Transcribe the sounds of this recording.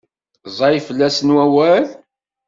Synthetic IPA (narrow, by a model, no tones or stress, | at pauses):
zˤɑjfəlːæsənwæwæl